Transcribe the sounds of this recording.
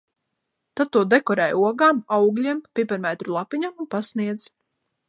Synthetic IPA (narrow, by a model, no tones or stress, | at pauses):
t̪at̪̚t̪ːuɔd̪ɛkɔɾɛːjuɔɡaːmawɡlʲiɛmpipaɾmɛt̪ɾulˠapiɲamunpasniɛd̪z̥